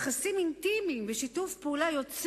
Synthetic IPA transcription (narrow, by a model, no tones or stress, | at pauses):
χasimint̪imimveʃitufpeulajo̞t͡s